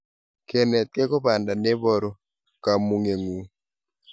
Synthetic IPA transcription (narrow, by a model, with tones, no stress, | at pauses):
ke˨nɛ˨t̪̚ke˦kɔ˦ba˨nda˨ne˦bɔ˦˨ɾɔ˨ | ka˨mu˨ŋe˨ŋu˨